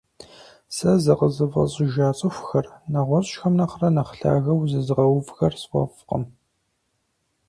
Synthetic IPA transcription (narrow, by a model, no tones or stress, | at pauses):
sɐzɐqəzɨvɐ̰ɕʼɪʒaːt͡sʼɨxʷxɐrnɐʁʷɔɕʼʃxɐmnɐχrɐnɐχɬa̰ːɣɐwzɨzɨʁɐwvxɐrswʷɔ̰fqə̰m